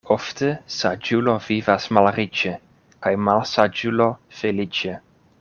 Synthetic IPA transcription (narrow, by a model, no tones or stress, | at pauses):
oft̪esad͡ʒulovivasmalɾit͡ʃe | kajmalsad͡ʒulofelit͡ʃe